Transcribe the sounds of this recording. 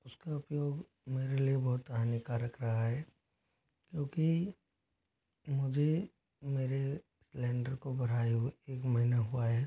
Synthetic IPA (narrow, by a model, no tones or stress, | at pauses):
ʊskaʊpjoːɡ | meːɾeliebɔɦʊt̪ɐanjikaːɾəkɾɐɦaɦɛː | kjõːki | mʊd͡ʒʱe | meːɾe | slɛ̃ːɳɖəɾkobɐɽ̤aːjueːkmɐɦɪnaɦuaɦɛː